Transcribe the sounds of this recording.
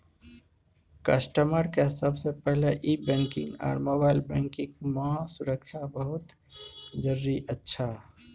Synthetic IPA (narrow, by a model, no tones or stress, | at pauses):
kə̰sʈəməɾkesəbsepɛɦleʔibɛ̃ːŋkɪ̃ŋɡɔ̰ːɾmoːbaːɪlbɛ̃ŋkɪ̃kməɦãsʊɾəkʃʰabəɦʊt̪ | d͡ʒəɾːiʔətːʃʰa